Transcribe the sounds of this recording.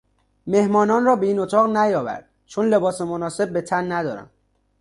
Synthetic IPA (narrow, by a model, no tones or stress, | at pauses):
me̞hmɒːnɒːnrɒːbeiːnot̪ʰɒːɣnæjɒːvæ̰ɾd̪̥ | t͡ʃʰonle̞bɒːsemonɒːse̞b̚ːet̪ʰænːæd̪ɒ̰ːɾæ̰nd̪